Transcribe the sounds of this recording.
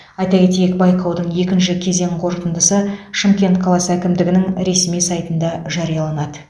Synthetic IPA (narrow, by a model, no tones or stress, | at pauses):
ɑjt̪ɑkʲe̞t̪ejekbɑjqɑwd̪əɴje̞kʲɪnʃɪkʲʰe̞ze̞ŋqʰo̞ɾqənd̪əsəʃəmkʲe̞nt̪qʰɑlˠɑsækʲɪmd̪ɪɡʲɪnɪŋɾe̞smijsɑjt̪ənd̪ɑʒɑɾijɑlˠɑnɑd̪ə